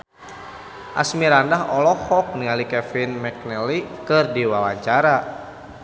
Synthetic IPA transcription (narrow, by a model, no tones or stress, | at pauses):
ʔa̰smiɾandaɦɔlɔhɔk̚nialikɛfinmɛk̚nɛlikɨrdiwalaɲt͡ʃaɾa